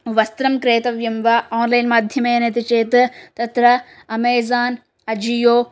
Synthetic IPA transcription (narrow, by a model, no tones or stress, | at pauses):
ʋɐst̪ɾɐmkɾeːt̪ɐʋjɐmʋaoːnlajnmaːd̪ʱjɐmeːnɐt̪it͡ʃeːt̪t̪ɐt̪ɾɐ | ɐmeːzaːn | ɐd͡ʒijoː